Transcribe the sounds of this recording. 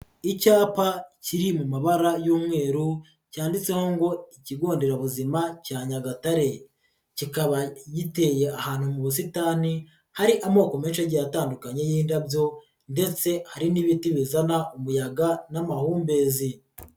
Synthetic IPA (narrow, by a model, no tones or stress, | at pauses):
icaːpaciɾimumaβaɾajuːmŋe̞ːɾu | caːndit͡se̞ho̞ŋɡo̞iciɡo̞ːndeɾaβuzimacaːɲaɡataɾe̞ | cikaβaɟite̞je̞ʔahaːn̥humuβus̬itaːni | haɾiʔamo̞ːko̞me̞ːnʃeɟajataːndukaɲe̞jiːndabjo̞ | nde̞t͡se̞haɾiniβitiβizanaumujaɡanamahuːmbe̞ːzi